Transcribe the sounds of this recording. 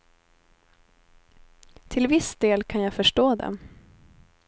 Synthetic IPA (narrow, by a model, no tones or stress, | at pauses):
t̪ʰɪlvɪsd̪eːlkʰanjaɡfœʂʈoːd̪ɛ̰